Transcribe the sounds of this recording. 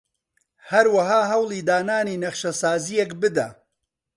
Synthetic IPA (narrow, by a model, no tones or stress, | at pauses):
hɐɾwɐɦaːɦɐwlˠiːd̪aːnaːniːnɐχʃɐsaːzijekbɨd̪a̰